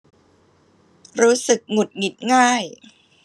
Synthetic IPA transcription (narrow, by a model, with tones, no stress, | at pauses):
ɾuː˦˥sɯ˨˩k̚ŋu˨˩t̪̚ŋi˨˩t̪̚ŋaː˥˩j